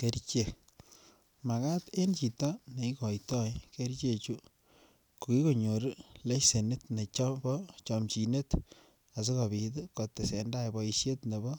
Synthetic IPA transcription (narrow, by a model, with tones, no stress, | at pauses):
ke˦ɾt͡ʃe˨ | ma˨ka˦te˦nt͡ʃi˨ta˦ne˨i˦kɔ˨jtɔ˦ke˦ɾt͡ʃe˦t͡ʃu˦ | ko˨ki˦ko˨ɲo˨ɾle˦se˨nɪ˦tne˨t͡ʃɔ˦bɔ˦t͡ʃɔ˨mt͡ʃi˨ne˦t | a˨s̬i˦ka˨bi˨tko˨tːe˨se˨nda˦jbɔ˨iʃje˦tne˨bɔ˦